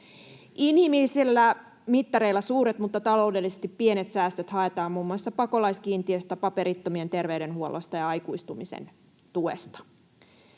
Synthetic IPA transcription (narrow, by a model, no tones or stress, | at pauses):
inhimilːisilːæ | mit̪ːɑɾe̞ilːæsuːɾet̪mut̪ːɑt̪ɑlo̞ude̞lːisest̪ipːienet̪sæːst̪øt̪hɑe̞t̪ɑːmmuːmːuɑsːɑpɑko̞lɑjskiːnt̪iøst̪æpɑpe̞ɾit̪ːomient̪e̞rʋeɥde̞nhuolost̪ɑjɑɑjkuist̪umisḛn | t̪ue̞̰st̪ɑ̥